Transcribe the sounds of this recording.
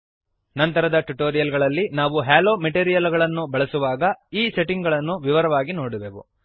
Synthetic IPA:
nɐnt̪ɐɾɐd̪ɐʈuʈoːɾijɐlɡɐɭɐlːinaːʋuɦaːloːmeʈeːɾijɐlɡɐɭɐnːubɐɭɐsuʋaːɡɐiːse̞ʈiŋɡɐɭɐnːuʋiʋɐɾɐʋaːɡinoːɽuʋeʋṵ

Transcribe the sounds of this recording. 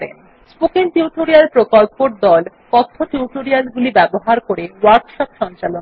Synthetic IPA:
ɾḛn | spokeŋʈuʈoɾialpɾokolpoɾd̪ɔl | kɔt̪ʰːoʈuʈoɾialɡulibɛboɦaɾkoɾewaɾkʃɔpʃɔnt͡ɕalon

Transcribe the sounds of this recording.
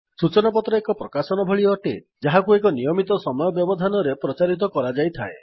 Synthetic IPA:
sut͡ʃɔnapɔt̪ɾɔekɔpɾɔkasɔnɔbʱɔɭiɔʈḛ | d͡ʒaɦakuek̬ɔnijɔmit̪ɔsɔmɔjɔbjɔbɔd̪ʱanɔɾepɾɔt͡ʃaɾit̪̬ɔkɔɾad͡ʒajt̪ʰa̰e

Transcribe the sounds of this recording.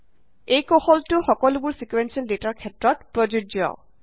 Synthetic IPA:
ejkɔhɔltʊxɔkɔlʊbuɹsikwensɔldetaɹkʰɛtɹɔtpɹɔd͡ʒua̰ʊ

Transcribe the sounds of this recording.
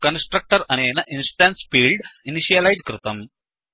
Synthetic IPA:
kɐnsʈrɐk̚ʈɐrɐneːnɐʔinsʈaːnsfiːɭɖiniʂijɐlɐjdkrɨt̪ɐm

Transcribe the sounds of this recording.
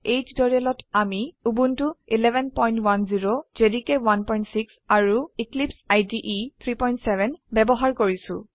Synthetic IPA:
ejd͡ʒdɔɹiɛlɔtamiubuntuilɛbɛnpɔjntwanziɹozedikɛwanpɔjntsiksaɹuiklipsajdiʔit̪ʰɹipɔjntsɛbɛnbɛbɔɦaɹkoɹisʊ̰̃

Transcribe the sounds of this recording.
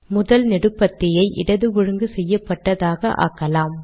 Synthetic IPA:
mʊðɐlnɛɽɯpːɐt̪ːɪjɐɪʔɪ̰ɽɐðɯʋɔɻɯŋɡɯsɛjːɐpːɐʈːɐðaːɣɐʔa̰ːkːɐlaːm

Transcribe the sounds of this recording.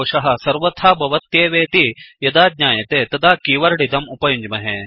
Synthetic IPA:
ʃɐɦɐ̆sɐɾʋɐt̪ʰaːbʱɐʋɐt̪jeːʋeːt̪ijɐd̪aːd̪̚ɲaːjɐt̪eːt̪ɐd̪aːkiːʋɐɾɽid̪ɐmupɐjuɲd͡ʒmɐɦe

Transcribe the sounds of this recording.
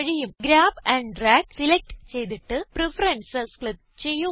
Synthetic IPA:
ɐɻijumɡɾaːbɐɳɖɖraːksilek̚ʈt͡ɕejt̪̬iʈːɨprifɐɾɐnsɐsklɐt̪ | t͡ɕejːu

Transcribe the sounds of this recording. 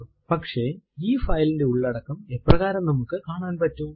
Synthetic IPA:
pɐkʂe̞iːfɐjlinde̞uɭːɐɽɐkːɐme̞pːrɐɣaːɾɐmnɐmukːɨkaːɳaːnpɐtːu

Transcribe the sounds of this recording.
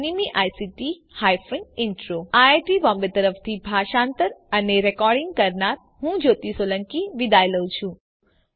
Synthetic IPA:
nimiʔajsiʈi | hajfĩŋɪɳʈɾoaaʈibɔ̃mbeɾt̪əɾəft̪ʰibʱaʃãnt̪əɾəneɾɛkɔɾɖɪŋɡkəɾnaɾ | ɦũd͡ʒot̪isoləŋkiʋid̪ajləʋũt͡ʃʰũ

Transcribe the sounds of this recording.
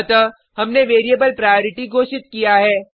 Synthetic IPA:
t̪ə | ɦɐmneʋeːɾijebəlpɾaːjoːɾɪʈiɡʱoːʃɪt̪̚kijaɦɛː

